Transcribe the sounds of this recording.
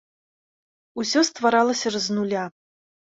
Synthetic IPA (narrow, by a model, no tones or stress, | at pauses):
usʲɔst̪vaɾalˠɐsʲɐrɐznulʲa